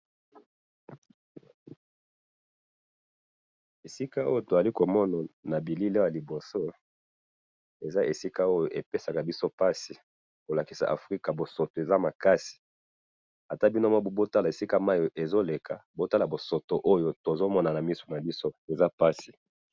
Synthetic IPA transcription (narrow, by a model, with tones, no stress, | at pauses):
e˨si˦ka˦o˦jo˨to˨za˨li˦ko˨mɔ˦na˨na˨bi˨li˦le˦˨a˨i˨bo˨so˦ | e˨za˦ʔe˨si˦ka˦o˦jo˨ʔe˨pe˦sa˨ka˨bi˦so˦pa˦si˨ | ko˨la˨ki̥˨sa̰˨ʔa˨fʁi˦ka˨bo˨so˨to˨e˨za˦ma˨ka˦si̥˨ | a˨ta˦bi˦no˦mɔ˦bo˨bo˦ta˦la˨e˨si˦ka˦ma˦jo˨ʔe˨zo˦le˨kʰa˨bo˦ta˦la˨bo˨so˨to˨ʔo˦jo˦to˨zo˦mɔ˦na˨na˨mi˦so̥˨na˨bi˦so˦e˨za˦pa˦si˨